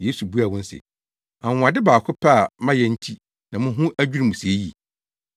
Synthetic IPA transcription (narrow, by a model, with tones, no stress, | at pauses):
je˦su˨bu˦a˨wʊ̃˦n̩˦sɪ̰˨ | ã˨a˨dɪ˦baː˨kʰʊ˦pʰa˦a˨mã˦jɛ̃˦n̩˦tʰi˦ | nã˨mʊ̃˦ɦũ˦ʔæ˦d͡ʑᶣu˦ɾi˦mũ˨si˨e˦ji˨